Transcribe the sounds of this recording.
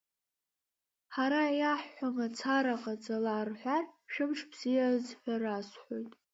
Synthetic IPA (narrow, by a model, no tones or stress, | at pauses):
ħaɾajaħːʷamat͡sʰaɾaqʼat͡sʼalaːrħʷᶣarʃᶣɪmʂʰbz̥ijazħʷᶣarasħʷojtʼ